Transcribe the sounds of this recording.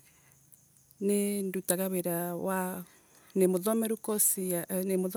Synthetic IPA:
nendutaɣaβeɾawa | nemoðɔmɛɾukɔsianemoð

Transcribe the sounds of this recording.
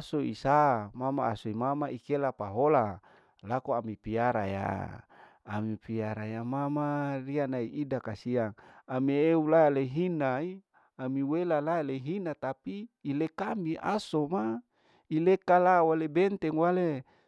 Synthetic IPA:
asoḭsamama̰ːsoimamaikelapaɦola | lakoamipiaɾaja̰ː | mipiaɾajamamarianaiʔidakasiaŋamieulaleɦinai | amiwelalaleɦinat̪apiːlekamiʔa̰soma | ilekalawalebɛnt̪ɛŋwale

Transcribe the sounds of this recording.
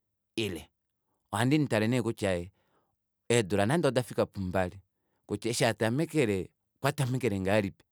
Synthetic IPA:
ilɛ | ɔandinitalɛnɛkut͡ʃaɛ | ɛduɾanandadafikapumbali | kut͡ʃaʃatamɛkɛɾɛ | kwatamɛkɛɾɛŋɡaɾipɛ̥

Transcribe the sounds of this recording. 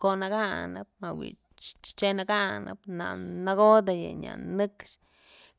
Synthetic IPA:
konaɡanab̚mawḭ | t͡ʃt͡ʃt͡ʃenaɡanʔa̰bnanaɡod̪aja̰ɲa̰nɨkt͡ʃ

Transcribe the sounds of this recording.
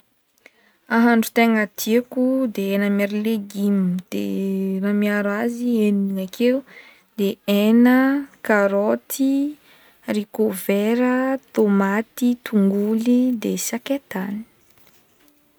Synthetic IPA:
aɦaɳɖ͡ʐut̪eŋat̪ʰiakud̪eenəmeɾileɡimid̪̥ḛramiaɾazieniŋakʰeu | d̪eenəkaɾot̪ʰi | rikoveɾət̪omat̪it̪uŋɡulid̪esaket̪ani̥

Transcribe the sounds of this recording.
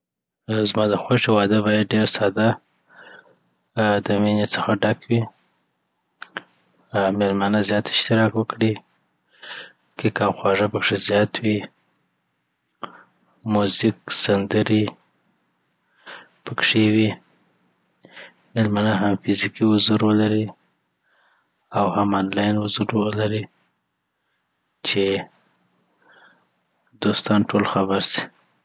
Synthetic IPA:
zmɑd̪əxoʃewɑd̪əbɑjad̪̚ɖeɾsɑd̪a | d̪əmenet͡səxaɖakʰwi | melmanazjɑt̪ɪ̥ʃt̪ɪɾɑkwəkɽi | kʰekɑwxwɑʐapəkʂezjɑt̪wi | muzɪkz̥and̪əɾi | pəkʂewi | mɪlmanaɦamfɪzikihʊzuɾwəlaɾi | awhamɑnlɑjnhʊzuɾəlaɾi | t͡ʃe | d̪ost̪ɑnʈʰolxabaɾsi̥

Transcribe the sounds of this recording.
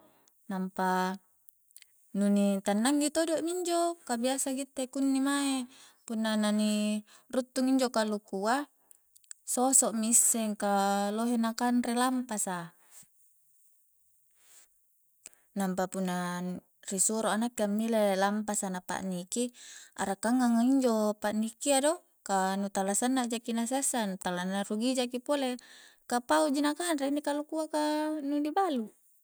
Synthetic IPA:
nampa | nunit̪anːaŋɡit̪odoʔmiɲd͡ʒokabiasaɡit̪ːekunːimae | punːanani | rut̪ːuŋiɲd͡ʒokalukua | sosɔʔmisːeŋkaloɦenakanrelampasa | nampapunːa | risuɾoanakːiamːilelampasanapa̰ʔnikia̰ɾakːaŋːaŋaiɲd͡ʒopaʔnikiado | kanut̪alasanːad͡ʒakinasesanut̪alanːaruɡid͡ʒakipole | kapaud͡ʒinakanɾeinikalukuakanudibalu

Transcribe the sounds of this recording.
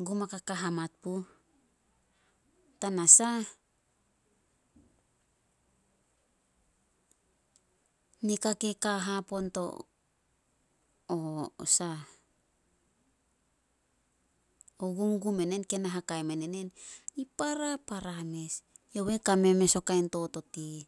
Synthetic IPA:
ɡumakakaɦamat̚pu | tanasa | nikakekaɦapo̞nto̞̰ | o̰sa | oɡumɡume̞nenke̞naɦakajmenene̞nipaɾapaɾame̞sjowe̞kame̞me̞so̞kajnto̞to̞ti

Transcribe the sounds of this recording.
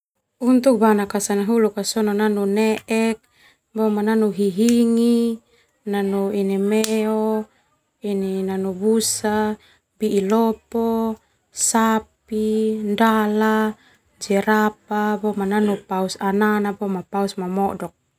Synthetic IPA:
unt̪uk̚banakasanaɦulukasɔnɔnanunɛʔɛk̚ | bɔmananuɦiɦiŋi | nanuinimɛɔ | ininanubusa | biʔilɔpɔ | sapindala | d͡ʒɛɾap̚abɔmananupausananabɔmapausmamɔdɔk̚

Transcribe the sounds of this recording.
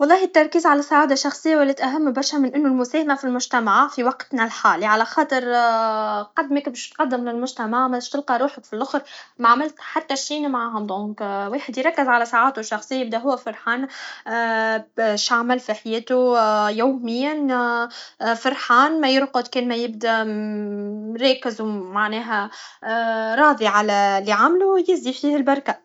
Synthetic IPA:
wɑlˤːɑːɦɪt̪ːɑɾˤkiːzʕalæsaʕaːd̪aʃɑxsˤɪjːawælːɛːt̪ʔæɦæmːbɑɾˤʃæmɪnʔɪnːʊlmʊsɛːhamafilmʊʒt̪æmaʕfiwɑqt̪nɪlħaːliʕalæxɑːt̪ˤɨɾ | qɑd̪mɪkbeʃt̪qɑd̪ːɪmlɪlmʊʒt̪æmaʕmæɪʃt̪ɪlqɑɾˤuːħəkfilʔʊxɾmaʕamɪlt̪ħat̪ːæʃiːnmaʕaːɦʊd̪ˤõːkweːħəd̪jɾˤɑkːɪzʕalæsaʕaːt̪uʃːɑxsˤɨjːajɪb̚d̪æɦʊwːæfɪɾˤħaːn | ʃaʕmɪlfiħajeːt̪ujoːmɪjːan | fɪɾˤħaːnmæjɪɾqʊd̪kɛːnmæjɪb̚d̪æ | ɾˤɑːkɪzwmaʕnɛːɦæ | ɾˤɑːd̪ˤiʕalæliʕamlujɪzd̪ifiːhɪlbɑɾˤka

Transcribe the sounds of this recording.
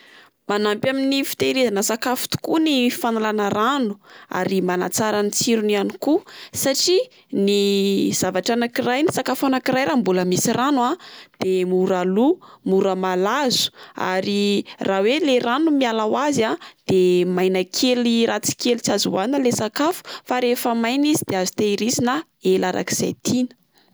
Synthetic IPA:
manampjaminifi̥t̪eɾezanəsakafu̥t̪u̥kunifanalanəɾanu̥a̰ɾimana̰t͡saɾanit͡siɾunianikusaʈ͡ʂi | niz̥avaʈ͡ʂanakirajnisakafanakiɾajɾambuləmisiranwad̪̥emuɾalumuɾəmalazu̥a̰ɾirʔaweleranumialawazad̪̥emajnakʰelirat͡si̥kelit͡siazuwanəlesakafu̥faɾefəmajnizid̪eazit̪eiɾizina | elaɾa̰ki̥z̥a̰jt̪ʰinə̥

